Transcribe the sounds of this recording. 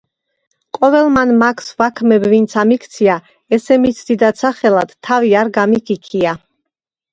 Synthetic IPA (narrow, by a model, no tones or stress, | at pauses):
kʼɔvɛlˠmanmakʰsvakʰmɛbvint̪sʰamikʰt̪sʰia | ɛsɛmit̪sʰd̪id̪at̪sʰaχɛlad̪̥t̪ʰːaviaɾɡamikʰikʰia